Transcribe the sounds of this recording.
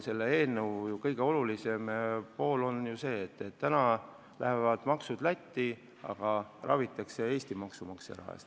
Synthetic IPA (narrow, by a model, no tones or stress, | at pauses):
se̞lːee̞ːlnewjukɤjɡ̥eo̞lulise̞mpo̞ːlo̞njuse̞ːt̪ːet̪ːænɑ | lʔæ̰hevɑd̪̥mɑksud̪̥læt̪ʲːi | ɑ̰ɡ̥ɑrʔɑ̰vit̪ːˑɑkse̞e̞ːst̪imɑksumɑksḛɾɑ̰ːḛst̪